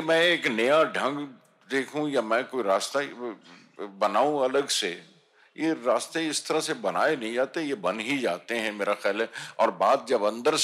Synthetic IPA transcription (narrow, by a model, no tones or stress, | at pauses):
mɛ̃ːeːknɐjaɖʱɐ̃ŋɡ | d̪eːkʰũjamɛ̃koːiɾaːst̪ai | bɐnaːũɐləɡse | jeɾaːst̪eɪst̪ʰɐɾasebɐna̰ːenɐɦĩd͡ʒaːt̪eɦɛ̃jebɐnɦid͡ʒaːt̪eɦɛ̃meːɾaxɛːlɦɛɔːɾbaːt̪̚d͡ʒɐbɐ̃nd̪əɾs